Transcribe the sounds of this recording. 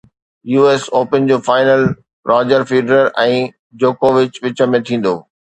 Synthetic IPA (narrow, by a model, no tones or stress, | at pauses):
juːeːsoːpənd͡ʑoːfaːɪnəl | ɾʔaːd͡ʑəɾfiːɖəɾəɾʔɛ̃ː | d͡ʑoːkoːʋɪt͡ɕʋɪt͡ɕə̆mẽt̪ʰĩːn̆d̪oː